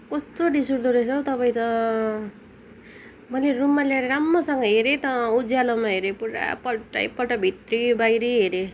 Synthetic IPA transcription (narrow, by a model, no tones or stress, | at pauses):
kʌst̪oɖisuɾd̪uɾesʰʌwt̪ʌpaj̃t̪ʌ | mʌlerumːaljaɾʌɾamːʌsʌŋɡʌɦeɾet̪ʌud͡zjalʌmaɦeɾepuɽa̰pʌʈa̰jpʌʈabʱit̪ribajɾiɦeɾe